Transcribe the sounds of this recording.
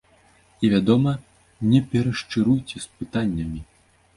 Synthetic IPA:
ivʲad̪ɔmɐ | nʲɛpʲɛɾɐʂt͡ʂɨɾujt͡sʲɛspɨt̪anʲːɐmʲi

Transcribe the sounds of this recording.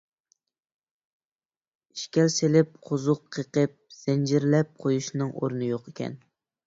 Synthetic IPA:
i̥ʃkʲɛlselɪp̚qʰozʊqʰːəqəp̚z̥ɪnd͡ʒɪɾlɛp̚qʰojuʃnɨŋʔo̰ɾnɨjoqekʲʰɛ̰n

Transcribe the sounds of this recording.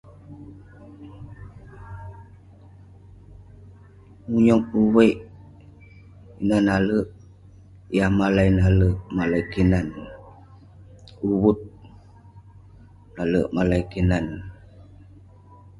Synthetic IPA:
muɲɔŋuwəjʔ | inanaləʔ | jahmalajnaləʔmalajkinan | uwut̪̚ | naləʔmalaikinan

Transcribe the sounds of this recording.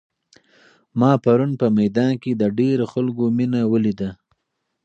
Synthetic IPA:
mɑpaɾunpəmajd̪ɑnked̪əɖeɾoxalɡominawəlid̪a

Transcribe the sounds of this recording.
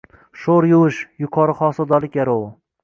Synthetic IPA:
ʃoɾjʊwɪʃjʊqʰɒɾɨχɒsɒd̪ɒlɪk̚ʲjaɾow

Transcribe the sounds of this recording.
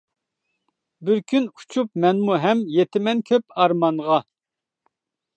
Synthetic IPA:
bɪɾkʲʰynu̥t͡ʃʰup̚mɛnmuɦɛmjet̪ʰɪmɛnkʲʰøp̚ɑɾmɑnʁɑ

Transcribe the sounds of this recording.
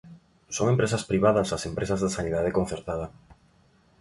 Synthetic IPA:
soŋempɾesɐspɾiβ̞aðɐsasempɾesazðasaniðað̞ekonθeɾt̪aðɐ

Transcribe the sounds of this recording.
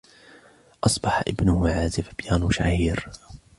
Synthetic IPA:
ʔɑsˤbɑħaʔɪbnʊhʊʕaːzɪfbjaːnʃa̰hiːɾ

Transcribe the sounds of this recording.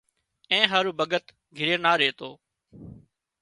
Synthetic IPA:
ẽːɦaːɾuːbəɡət̪ | ɡʱɪɾeːnaːɾeːt̪oː

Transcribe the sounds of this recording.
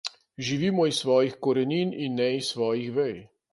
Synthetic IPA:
ʒiʋiːmɔisːʋɔːjixkɔɾɛniːninːɛisːʋɔːjixʋɛj

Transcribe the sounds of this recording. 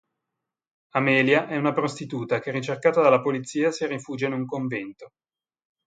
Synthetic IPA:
amɛːljaʔɛunapɾost̪it̪uːt̪ak̟ɛrːit͡ʃerkaːt̪ad̪alːapolit̪sːiːasirifuːd͡ʒeinuŋkoɱvɛnt̪o

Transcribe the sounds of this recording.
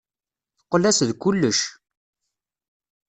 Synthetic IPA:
θqːlæsðkulːəʃ

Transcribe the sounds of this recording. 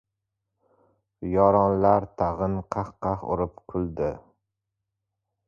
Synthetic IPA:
jɒɾɒnlaɾt̪ʰɑʁɨnqʰɑχqɑχʊ̰ɾɪpqʰʊlˠd̪ɪ

